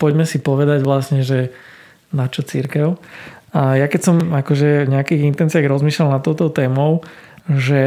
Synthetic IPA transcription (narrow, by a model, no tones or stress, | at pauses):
pɔɟmɛsipɔʋɛd̪aɟʋlasɲɛʒɛ | nat͡ʃɔt͡siɾkɛʊajakɛcsɔmakɔʒɛvɲɛakiːɣint̪ɛnt͡sɪaɣɾɔzmiːʃlalnat̪ːɔʊt̪ɔʊt̪ɛːmɔʊʒɛ